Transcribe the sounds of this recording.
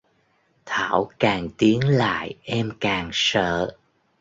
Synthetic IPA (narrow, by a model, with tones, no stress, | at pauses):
t̪ʰa̰ː˧˩wkaː˨˩ŋt̪i˨˦əŋla̰ː˧˨jʔɛ˧mkaː˨˩ŋsə̰ː˧˨